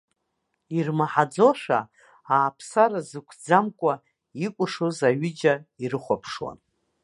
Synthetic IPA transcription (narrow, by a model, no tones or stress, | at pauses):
irmaħad͡zo̞ʂa̰ | aːpʰsaɾazɨkʷʰd͡zamkʷʼa | ikʷʼʊʂozaɥʏd͡ʒairɨχʷapʰʂwa̰n